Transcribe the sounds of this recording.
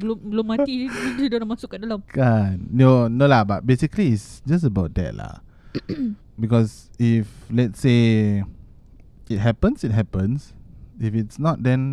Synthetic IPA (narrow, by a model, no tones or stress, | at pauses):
blomblomːatisudolamasʊkːədalamkanːonolabat̚besikliːtsd͡ʒas̬əbaʊt̚dɛ̰t̚la̰ | bikɔsiflɛtse | it̚ɦɛpə̃nsit̚ɦɛpə̃nsifitsnɔt̚dɛ̃n